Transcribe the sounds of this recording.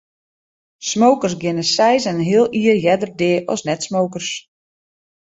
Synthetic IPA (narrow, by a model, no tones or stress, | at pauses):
smowkərsɡɪnəsɛjsɛnɦɪəlˠiərjɛdərdɪːʔɔ̰snɛtsmoːkərs